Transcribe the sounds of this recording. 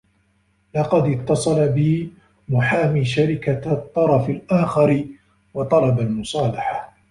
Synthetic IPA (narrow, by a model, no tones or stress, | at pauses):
lɑqɑd̪ɪt̪ːɑsˤɑlabɪ | mʊħaːmiːʃaɾɪkat̪ˤːɑɾˤɑfalʔaːxɑɾɪ | wɑt̪ˤɑlɑbalmʊsˤɑːlɑħa